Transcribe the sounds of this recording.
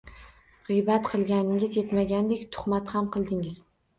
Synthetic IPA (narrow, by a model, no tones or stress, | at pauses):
ʁɨjbat̪qʰɨlˠɡʲanɪŋɪzje̞t̪maɡʲand̪ekʲt̪ʰʊ̥χmat̪hamqʰɨlˠd̪ɪŋɪz̥